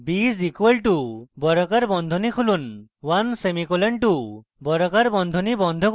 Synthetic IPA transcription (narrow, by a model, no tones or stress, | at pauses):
bisikuwelʈubɔɾɔkaɾbɔnd̪ʱɔnikʰulunwansemikɔleɳʈu | bɔɾɔkaɾbɔnd̪ʱɔnibɔnd̪ʱɔk